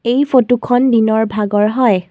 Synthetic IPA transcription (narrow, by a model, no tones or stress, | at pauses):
ejpʰotukʰɔndinɔɹbʱaɡɔɹɦɔj